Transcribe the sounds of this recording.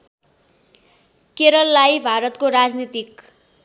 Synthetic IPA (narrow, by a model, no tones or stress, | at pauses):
keɾʌlːajbʱaɾʌt̪koɾad͡znit̪ik̚